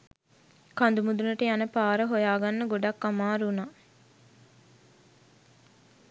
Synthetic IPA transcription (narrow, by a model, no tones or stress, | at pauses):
kand̪umud̪unəʈəjanəpaːɾəɦojaːɡanːəɡoɖakːamaːɾuna